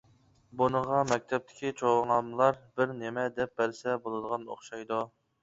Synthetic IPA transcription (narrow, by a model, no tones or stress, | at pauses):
bunəʁɑmɛk̚ʲt̪ʰɛp̚t̪ʰɪ̥kʲit͡ʃʰoʁəŋɑmlˠɑɾbɪɾnɪmɛd̪ɛp̚bɛɾsɛbolˠɨd̪əʁɑno̰χʃɑjd̪u